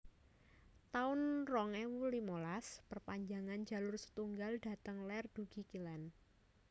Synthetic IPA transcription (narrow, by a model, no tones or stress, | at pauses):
t̪aʊnrɔŋɛwulimolaspərpaɲd͡ʒaŋand͡ʒa̤lʊrsə̥t̪uŋɡalda̤t̪əŋlɛrd̥uɡ̥i̤kilɛn